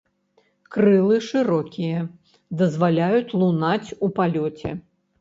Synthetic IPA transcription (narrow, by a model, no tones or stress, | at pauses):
kɾɨlˠɨʂɨɾɔkʲijɐ | d̪ɐzvalʲajut͡sʲlˠunat͡sʲupalʲɔt͡sʲɛ̰